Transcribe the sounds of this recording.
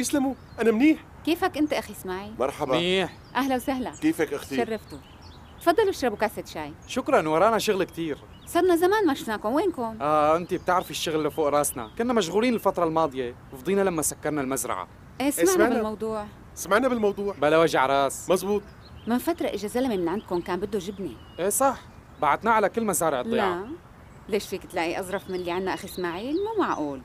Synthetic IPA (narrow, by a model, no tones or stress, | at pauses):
jɪslamu | ʔanamniːħ | keːfakʔɪnt̪aʔaxismaʕimɑɾˤħabaniːħ | ʔahlawsaɦlakeːfakʔaxiʃarˤːɑft̪u | t̪fɑd̪ˤːɑluʃɾˤɑbukasat̪ʃaːjʃʊkɾˤɑnwɑɾˤɑːnaʃʊɣlkt̪iːɾ | sˤɑdˤnazamaːnmaʃʊfnaːkʊmweːnkʊmʔaːʔɪnt̪ib̚t̪ɪʕɾɪfɪʃːʊɣlːfoːʔɾˤɑːsna̰kʊnːamaʃ̬ɣuːliːnɪlfat̪ɾˤɑlmɑːd̪ˤɨjewfd̪ˤiːnalamːasakːɑɾˤnalmazɾˤɑ̰ʕa̰ | ʔeːsemaʕmaʕbɪlmɑwd̪ˤuːʕ | samaʕnabɪlmɑwd̪ˤuːʕbalawaʒaʕɾˤɑːsmɑzˤbuːt̪̚ˤ | mɪnfat̪ɾˤɑʔɪʒazalamemɪnʕand̪̚kʊnkaːnbɪd̪ːuʒɪbni | ʔeːsˤɑħ | baʕad̪naʕalakɪlːmazaːɾɪʕɨd̪lːˤiʕa | leːʃfiːkɪt̪laʔiʔɑzˤɾˤɑfmɪnlːiʕanːaʔaxismaʕiːlmuːmaʕʔuːl